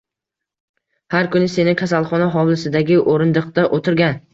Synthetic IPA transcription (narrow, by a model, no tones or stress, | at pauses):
haɾkʰʊnɪse̞nɪkʲʰasalˠχɒnaɦɒwlɪsɪd̪aɡʲɪʔoɾɪnd̪ɨq̚t̪aʔot̪ʰɪɾɡʲan